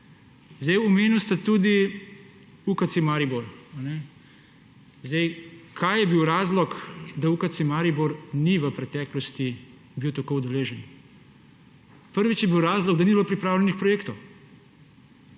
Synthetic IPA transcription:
zd̪ɛjɔmeːniwst̪at̪uːd̪i | ukat̪simaːɾibɔɾanɛ | zd̪ɛjkʰaːjjɛbiwɾaːzlɔkd̪aukat̪simaːɾibɔɾniʋəpɾɛt̪ɛːklɔst̪i | biwt̪akowd̪ɛleːʒɛn | pəɾʋit͡ʃjɛbiwɾaːzlɔɡd̪anibilopɾipɾaːwlɛnixpɾɔjeːkt̪ɔw

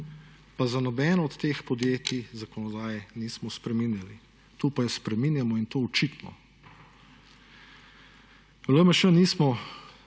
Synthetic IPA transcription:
pazanɔbɛːnɔːt̪ːeːxpɔd̪jeːt̪izakɔnɔd̪aːjɛniːsmɔspɾɛminjali | t̪opajɔspɾɛminjamɔint̪oːɔt͡ʃit̪nɔ̰ | ʋɛlomɐʃəniːsmɔ

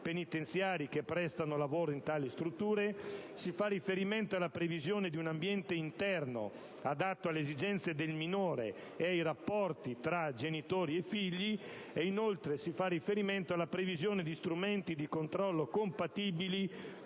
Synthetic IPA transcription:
penit̪ent̪sjaːɾikepːɾɛst̪anolavoːɾoint̪aːlist̪ɾut̪ːuːɾesifarːifeɾiment̪oalapɾevizjoːned̪iunambjɛnt̪eint̪ɛrno̰ | ad̪at̪ːoalːezid͡ʒɛnt̪sed̪elminoːɾḛː | ajɾapːɔrt̪it̪ɾad͡ʒenit̪oːɾiefiʎːi | einolt̪ɾesifarːifeɾiment̪oalːapɾevizjoːned̪ist̪ɾument̪id̪ikont̪ɾɔlːokompat̪iːbili

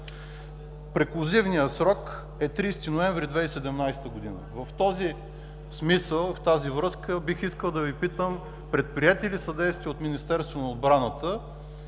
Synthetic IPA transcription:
pɾɛklˠozivnijəsɾɔk | ɛt̪ɾist̪inoɛ̃ɱvɾid̪vɛsɛd̪ɛmnajst̪əɡʊd̪inə̰vəft̪ɔzi | smisəlˠft̪azivɾɤskəbixiskəlˠd̪ɐvipit̪əm | pɾɛt̪̚pɾiɛt̪ilisəd̪ɛjst̪viot̪minist̪ɛɾst̪vonɐod̪̚bɾanət̪ə

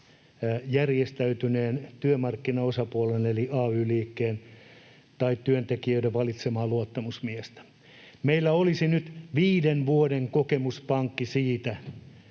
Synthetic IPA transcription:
jærjest̪æyt̪yneːnt̪yømɑrkːinɑosɑpuoleneliɑːyːliːkːeːn | t̪ɑit̪ːyønt̪ekiøideʋʋɑlit̪semɑːluot̪ːɑmusmiest̪æ̥ | meilːæolisinyt̪ʋiːdenʋuodeŋkokemuspɑŋkːisiːt̪æ

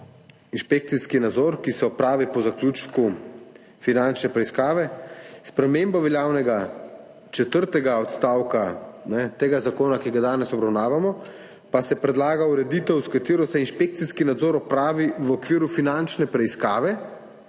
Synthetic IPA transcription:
inʃpek̚t̪siskinad̪zɔɾkisɛɔpɾaːʋipɔzaklʲuːt͡ʃku | finant͡ʃnɛpɾɛiskaːʋɛspɾɛmeːmbaʋɛljaːwnɛɡa | t͡ʃɛt̪əɾt̪ɛɡaɔt̪st̪aːwkanɛt̪eːɡazakoːnakiɡad̪aːnɛsɔbɾawnaːʋamɔ | pasɛpɾɛd̪laːɡauɾɛd̪iːt̪ɛwskat̪eːɾɔsɛinʃpek̚t̪siskinad̪zɔːɾɔpɾaːʋiʋɔkʋiːɾufinant͡ʃnɛpɾɛiskaːʋɛ

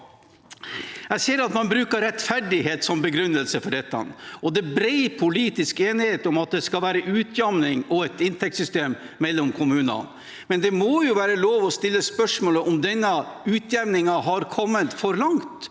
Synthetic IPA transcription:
jæɪseːɾɑt̪mɑnbɾʉːkəɾɛt̪fæɖɪheːt̪sɔmbəɡɾʉnːəlsəfɔɖɛt̪ːɑ̰nɔd̪ɛbɾɛɪpʰʊliːt̪ɪskeːnɪheːt̪ɔmɑt̪̚d̪ɛskɑlʋæːɾəʔʉːt̪ʰjɑmnɪŋɔɛt̪ɪnt̪ʰɛk̚t̪sʏst̪eːm | mɛlːɔmkʰʊmʉːnɑ̰n | mɛnd̪ɛmoːjʊʋæːɾəloːʋɔst̪ɪlːəspœʂmoːləʔɔmd̪ɛnːəʉːt̪ʰjæʋnɪŋɑɦɑɾkʰɔmːət̪fɔɾlɑŋt̪

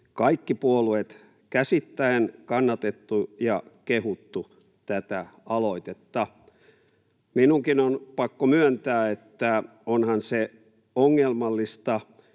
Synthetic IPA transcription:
kɑikːipuoluet̪ | kæsit̪ːæenkɑnːɑt̪et̪ːujɑkehut̪ːu | t̪æt̪æɑloit̪et̪ːɑ | minuŋkinonpɑkːomyønt̪æːet̪ːæ | onhɑnse | oŋːelmɑlːist̪ɑ

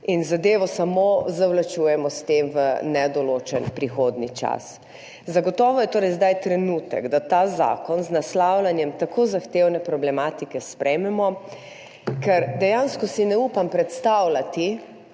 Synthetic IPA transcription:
inzad̪eːʋɔsamozawlat͡ʃuːjɛmɔst̪emʋənɛd̪ɔloːt͡ʃɛnpɾixoːd̪nit͡ʃa̰s | zaɡɔt̪ɔːʋɔjɛt̪oːɾɛjzd̪ajt̪ɾɛnuːt̪ɛ̰ɡd̪at̪aːza̰ːkɔnznaslawlanjɛmt̪akoːzaxt̪ewnɛpɾɔblɛmaːt̪ikɛspɾʔɛjmɛmɔ | kɛɾd̪ɛjanskɔsinɛupampɾɛt̪st̪awlat̪i

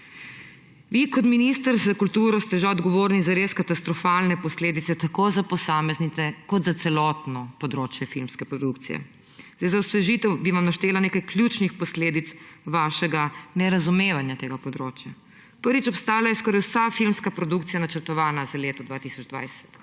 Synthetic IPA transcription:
ʋikɔt̪minist̪əɾzakult̪uːɾɔst̪ɛʒaɔd̪ɡɔʋoːɾnizaɾeskat̪ast̪ɾɔfaːlnɛpɔsleːd̪it̪sɛt̪akozapɔsaːmɛznit̪ɛkɔd̪zat̪sɛlɔt̪nɔpɔd̪ɾoːt͡ʃjɛfilmskɛpɾɔd̪ukt̪sḭjɛ̰ | zd̪ajzawsʋɛʒit̪ɛwbiʋamnaʃt̪eːlaneːkajklʲjut͡ʃnixpɔsleːd̪it̪sʋaːʃɛɡanɛɾazumeːʋanjat̪eːɡapɔd̪ɾoːt͡ʃja | pəɾʋit͡ʃɔpst̪aːlajɛskɔːɾajwsafilmskapɾɔd̪ukt̪ijanat͡ʃəɾt̪ɔʋaːnazaleːt̪ɔd̪ʋaːt̪isɔd͡ʒd̪ʋa̰jsɛ̥t̪

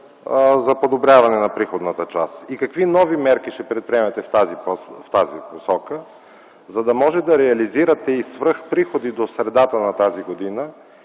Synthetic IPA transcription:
zɐpod̪obɾʲjavɐnɛnɐpɾixod̪nət̪ət͡ʃasikɐkvinɔvimɛɾkiʃt̪ɛpɾɛt̪̚pɾiɛmɛt̪ɛft̪azipoft̪azḭposɔkə | zɐd̪ɐmɔʒɛd̪ɐɾɛɐliziɾɐt̪ɛisvɾɤxpɾixod̪id̪osɾɛd̪at̪ənɐt̪aziɡod̪inə

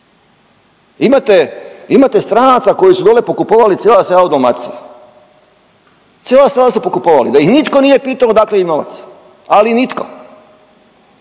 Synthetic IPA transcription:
imat̪eimat̪e̞st̪ɾanat̪sako̞jisud̪olepokupoʋalit̪eːlaselaut̪omat̪sḭja | t̪sjelaselasupokupoʋalḭd̪ajixnit̪ko̞nije̞piːt̪aod̪akleino̞ʋa̰t̪s | alinit̪ko̰

